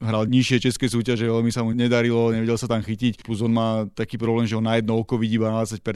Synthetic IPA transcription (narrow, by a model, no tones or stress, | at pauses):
ɦɾalɲiʃɪɛt͡ʃɛskɛjs̬uːcaʒɛʋɛlmisamuɲɛd̪aɾilɔɲɛʋɛɟɛlsat̪amxicicpluzɔnmaːt̪akiːpɾɔblɛːmʒɛɦɔnːajɛd̪nɔɔkɔʋiɟibanadat͡sac̚pɛɾ